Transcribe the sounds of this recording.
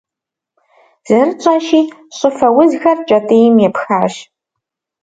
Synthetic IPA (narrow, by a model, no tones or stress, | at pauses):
z̥ɨrt͡ʃʼɐʃiːɕʼɨfɐwʊzxɐrt͡ʃʼɐtʼeːjmjɛpxaːɕ